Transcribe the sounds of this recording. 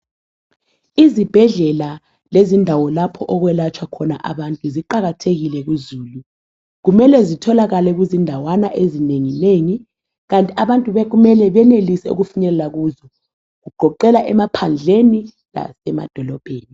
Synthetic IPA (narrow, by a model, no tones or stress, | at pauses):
izib̥ʱɛɮɛla | lezindʱawɔlapʰɔʔɔɣwɛlat͡ʃʰwakʰɔna̰ʔa̰βantʼuziǃaɣatʰeɣilɛɣ̬uzuːlu | ɣumɛlɛzitʰɔlaɣalɛɣuzindʱawanaʔezineŋineŋi | ɣantʼiaβantʼuβɛɣumɛlɛβɛnelisɛṵɣufuɲɛlɛlaɣuːzɔ | ɣuɡ͡ǃ̥ʱɔǃɛlaʔɛmapʰand͡ɮʱeni | la̰sɛma̰d̥ʱɔlɔb̥ʱeːni